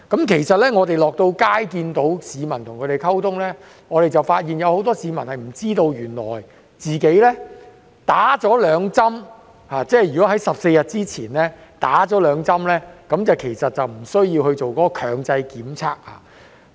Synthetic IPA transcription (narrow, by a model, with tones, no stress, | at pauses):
kɐ˨˥mkʰe˨˩jsɐ˨t̚lɛː˥ŋɔː˨˧t̪e˨jlɔː˨k̚t̪o˧wkaː˥jkiː˧nt̪o˨˥wsiː˨˧mɐ˨˩nt̪ʰʊ˨ŋʰɵ˨˧t̪e˨jkʰɐ˥wt̪ʰʊ˥ŋlɛː˥ | ŋɔː˨˧ɾe˨jt͡sɐ˨wfaː˧t̚jiː˨njɐ˨˧who˨˥wt̪ɔː˥siː˨˧mɐ˨˩nhɐ˨jm̩˨˩t͡siː˥t̪o˧wjyː˨˩nlɔ̰ː˨˩j | t͡siː˨˩ke˨˥jlɛː˥ | t̪aː˨˥t͡ʃɔː˨˥lœː˨˧ŋt͡sɐ˥m | haː˨˧t͡sɛː˥jɥyː˨˩kɔː˨˥hɐ˨˥jsɐ˨p̚se˧jɐ˨t̚t͡siː˥t͡sʰiː˨˩nlɛː˥t̪aː˨˥t͡ʃɔː˨˥lœː˨˧ŋt͡sɐ˥mlɛː˥kɐ˨˥mt͡sɐ˨˩wkʰe˨˩jsɐ˨t̚t͡sɐ˨wm̩˨˩sɵ˥ɥjiː˧whɵ˧t͡so˨wkɔ˨˦˥ɔː˧kʰœː˨˩ŋt͡sɐ˧jkiː˨˥mt͡sʰaː˥k̚ha̰ː˧